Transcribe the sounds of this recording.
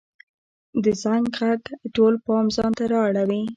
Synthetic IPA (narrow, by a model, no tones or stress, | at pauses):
d̪əzaŋɡʁaɡʈolpɑmzɑnt̪aɾɑaɽawi